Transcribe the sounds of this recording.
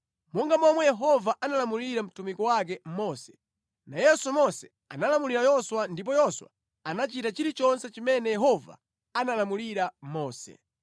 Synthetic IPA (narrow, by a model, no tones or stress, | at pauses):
mɔŋɡamɔmwɛjɛɦɔvaʔanalamuliɾam̩tumikɔwak̬ɛm̩mɔsɛ̥ | najɛsumɔsɛ | analamuliɾajɔswandip̬ɔjɔswa̰ | anat͡ʃitat͡ʃiɾit͡ʃɔnsɛt͡ʃimɛnɛjɛɦɔva̰ | analamuliɾamɔːsɛ̰